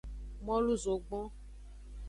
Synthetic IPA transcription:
mɔ̃˦lu˦zo˨ɡ͡bɔ̃˦

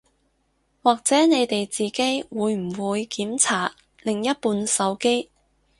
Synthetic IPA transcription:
waː˨k̚t͡sɛː˨˥ne˨˧jt̪e˨jt͡siː˨ke˥jwuː˨˧jm̩˨˩wuː˨˧jkiː˨˥mt͡sʰaː˨˩t̚ | lɪ˨ŋjɐ˥t̚puː˧nsɐ˨˧wke˥j

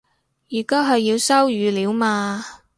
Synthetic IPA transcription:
jyː˨˩kaː˥wɦɐ˨jːiː˧wsɐ˥wjyː˨˧liː˨˧˥wmaː˧

